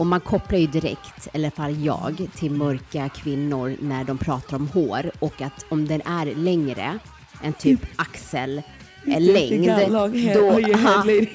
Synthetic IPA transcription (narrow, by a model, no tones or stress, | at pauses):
ɔmːankʰɔpːlaɾjɵd̪ɪɾɛ̰kt̪ɛlːəɾfalːjɑ̰ːɡt̪ʰɪlmœɾkakʰvɪnːʊɾnæɖɔmpʰɾɑːt̪aɾɔmhoːɾɔkːat̪ɔmd̪ɛnʔæɾlɛŋɾə̰ | ʔɛnt̪ʰyːpʔaksəlː | ɛŋd̪d̪ɔ